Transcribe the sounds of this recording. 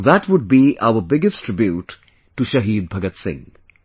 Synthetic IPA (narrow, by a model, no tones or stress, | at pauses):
ðæʈʋʊɖ̚biʔa̰ʊəbɪɡɪsʈʰɾɪbjuːʈː | uʃɐɦiːd̪̚bʱɐɡət̪sɪ̰̃ŋ